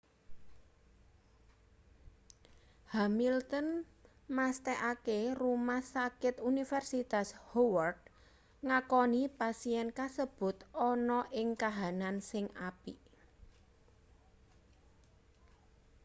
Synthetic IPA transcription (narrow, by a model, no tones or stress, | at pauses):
hamilt̪ən | mast̪ɛʔakerumahsakɪt̪unifɛrsit̪ashowərd̪̚ | ŋakɔnipasiɛnkasəb̥ʊ̤t̪ɔnɔʔɪŋkaɦanansɪŋʔapi